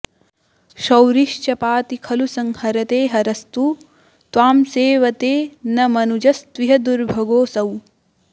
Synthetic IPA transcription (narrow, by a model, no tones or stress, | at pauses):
ʃɐwɾiʃt͡ʃɐpaːt̪ikʰɐlusɐŋhɐɾɐt̪eːɦɐɾɐst̪u | t̪ʋaːmseːʋɐt̪eːnɐmɐnud͡ʒɐst̪ʋiɦɐd̪uɾbʱɐɡoːsɐw